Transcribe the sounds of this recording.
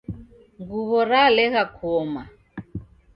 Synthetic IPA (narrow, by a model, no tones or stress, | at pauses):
ŋɡuβɔɾalɛɣakʰɔma